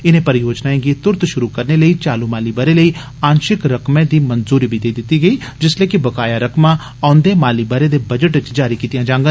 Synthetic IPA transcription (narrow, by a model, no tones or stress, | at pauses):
ɪnẽːpɐɾɪjoːd͡ʒnaẽɡit̪ʊɾt̪ʃʊɾukɐɾneləiːt͡ʃaːlumaːlibaːɾeləiː | ãːnʃɪkɾəkmẽd̪iːmɐnzuːɾibʱid̪eːid̪ɪt̪ːiɡəiːd͡ʒɪsleːkɪbəkaːjaɾəkmã | ãːʊ̃nd̪emaːlibaːɾed̪eːbɐd͡ʒəʈɪt͡ʃd͡ʒaːɾikiːt̪ijãːd͡ʒãːŋɡə